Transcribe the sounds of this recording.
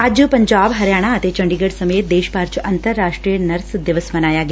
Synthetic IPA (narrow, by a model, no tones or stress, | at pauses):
ɐd͡ʒpɐɲd͡ʒaːbɦɐɾjaːɽ̃aɐt̪et͡ʃɐ̃ɳɖiɡəɽsɐmeːt̪̚d̪eːʃpaːɾt͡ʃʔɐnt̪əɾːaːʂʈʈɾijənɐɾsd̪ɪʋəsmɐnaːjaːɡɪjaː